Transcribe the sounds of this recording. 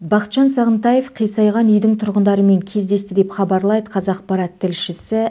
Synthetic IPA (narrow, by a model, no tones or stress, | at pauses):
bɑqət̪ʃɑnsɑʁənt̪ɑje̞fqʰijsɑjʁɑnʏjd̪ɪŋt̪ʰʊɾʁənd̪ɑɾəme̞ŋkʲʰe̞zd̪e̞st̪ɪd̪epχɑbɑɾlˠɑjd̪əqʰɑzɑq̚pɑɾɑt̪ʰːɪlʃɪsɪ